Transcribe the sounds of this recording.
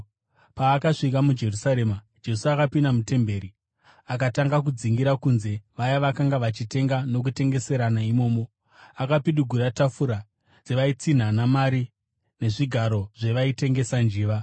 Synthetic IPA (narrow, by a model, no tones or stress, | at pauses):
paːkaʂikamud͡ʒe̞rusaɾe̞ma | d͡ʒe̞suakapindamute̞mbe̞ːɾi | ak̬ataŋɡak̬ud͡ziŋɡiɾakunze̞ʋajaʋakaŋɡaʋat͡ʃite̞ŋɡano̞k̬ute̞ŋɡe̞se̞ɾanaimo̞ːmo̞ | akapiɗuɡʱuɾatafuɾa | d͡ze̞ʋait͡sin̤anamaɾi | ne̞ʐiɡʱaɾo̞ʐe̞ʋaite̞ŋɡe̞sand͡ʒiːʋa